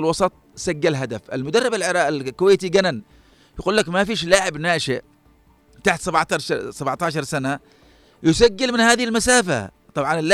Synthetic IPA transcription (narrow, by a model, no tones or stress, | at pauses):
lwɑsˤɑt̪ˤ | saɡːalɦad̪afʔɪlmʊd̪ɑrˤːɑbalʕɪɾɑːʔɪlkʊwaːt̪iɡanan | jaɡuːlːakmafiːʃlaːʕɪbnaːʃɪʔ | t̪aħt̪sˤabʕt̪ɑsabʕt̪ɑːʃɑɾˤsana | jɪsaɡːalmɪnhaːðɪhɪlmasaːfa̰ | t̪ˤɑbʕɑnɪlːa